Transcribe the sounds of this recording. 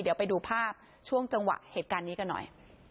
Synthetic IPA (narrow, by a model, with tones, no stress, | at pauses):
di˨˩˦əwpa˧jduː˧pʰaː˥˩p̚ | t͡ɕʰu˥˩əŋt͡ɕa˧ŋwa̰˨˩ʔheː˨˩t̪̚kaː˧nːiː˦˥ka˧nːɔ̰˨˩j